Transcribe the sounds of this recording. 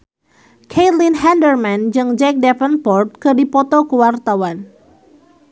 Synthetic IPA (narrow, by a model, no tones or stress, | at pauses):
kʰelinɦɛndərmand͡ʒɨŋd͡ʒɛk̚dɛpənpɔrt̪̚kɨdipɔt̪ɔkəwart̪awan